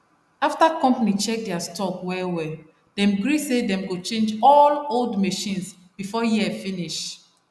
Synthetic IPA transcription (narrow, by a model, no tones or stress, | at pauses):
aftakɔ̃mpanit͡ʃɛk̚dɛastɔkwɛwɛ | d̥ɛ̃mɡɹisedɛ̃mɡot͡ʃẽnd͡ʒɔloldmeʃĩns | b̥ifɔjiɛfĩniʃ